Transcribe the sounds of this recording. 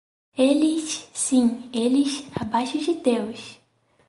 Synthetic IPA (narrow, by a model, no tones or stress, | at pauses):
elissĩeliʃabajʃʊd͡ʒɪd̪ewʃ